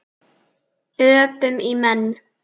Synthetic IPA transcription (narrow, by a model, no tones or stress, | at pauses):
øːpəmimɛn